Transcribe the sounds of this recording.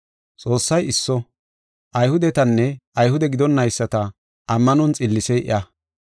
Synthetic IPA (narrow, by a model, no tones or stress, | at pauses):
t͡sʼo̞ːsːɐjɪsːɔ | ʔɐjhʊd̪ɛt̪ɐnːɛɐjhʊd̪ɛɡɪd̪ɔnːɐjsːɐt̪ɐ | ʔɐmːɐnɔnt͡sʼɪlːɪsɛʔɪ̰ʔɐ